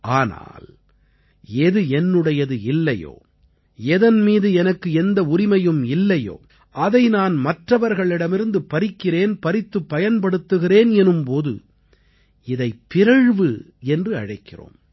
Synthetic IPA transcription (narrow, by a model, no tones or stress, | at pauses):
ʔaːna̰ːl | ɛðɯɛnːɯɽɐjɐðɯɪlːɐjo̰ː | ɛðɐnmiːðɯɛnɐkːɯɛnd̪ɐʊɾɪmɐjɯmɪlːɐjo̰ː | ʔɐðɐɪnaːnmɐʈrɐʋɐɾɣɐɭɪɽɐmɪɾɯnd̪ɯpɐɾɪkːɪreːnpɐɾɪt̪ːɯpːɐjɐnpɐɽɯt̪ːɯɣɪreːnɛnɯmpoːðɯ̰ | ɪðɐɪpːɪɾɐɻʋɯ | ɛndrɯɐ̰ɻɐɪkːɪro̰ːm